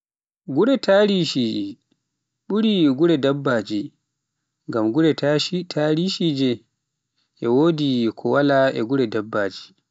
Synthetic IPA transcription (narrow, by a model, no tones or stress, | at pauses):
ɡuɾɛtʰaɾiʃi | ɓuɾiɡuɾɛdabːaːd͡ʒi | ŋɡamɡuɾɛtatʰaɾiʃid͡ʒɛ | ʔɛwoːdikʰɔwalaɛ̰ɡuɾɛdabːaːd͡ʒi̥